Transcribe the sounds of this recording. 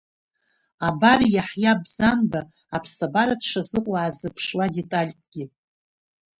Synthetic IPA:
abarjaħjabzanbaː | pʰsabaɾadʂazɨqʷʼwaːzɨpʰʂwade̞tʼalʲtʼɡʲɪ

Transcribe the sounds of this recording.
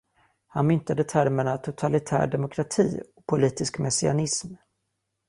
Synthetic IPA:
hanmʏnt̪ad̪ət̪ʰæɾməɳat̪ʰʊt̪ʰalɪt̪ʰæ̰ːɖɛmʊkʰɾat̪ʰḭːɔkpʰʊliːt̪ɪskmɛsɪa̰nɪsm

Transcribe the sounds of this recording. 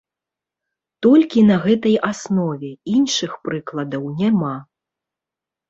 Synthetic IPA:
t̪ɔlʲkʲinɐɣɛt̪ɐjasnɔvʲɛinʂɨxpɾɨklˠɐd̪ɐwnʲama

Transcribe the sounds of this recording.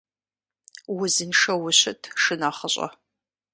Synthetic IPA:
wʊzɨnʂɐwʊɕɪtʰʂɨnɐχəɕʼɐ̰

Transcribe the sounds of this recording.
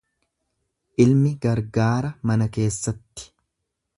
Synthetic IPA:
ʔɪlmɪɡɐɾɡaːɾɐmɐnɐke̞ːsːɐt̪ːɪ̥

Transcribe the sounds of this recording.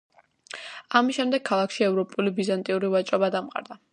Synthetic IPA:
amisʃɛmd̪ɛɡ̚kʰːalˠakʃiɛvɾɔpʼulibizant̪ʼiuɾivat͡ʃʼɾɔbad̪amqʼa̰ɾd̪a

